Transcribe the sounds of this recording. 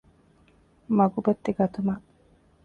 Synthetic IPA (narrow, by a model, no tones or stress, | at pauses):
mɐɡubɐt̪ːeɡɐt̪umaʔ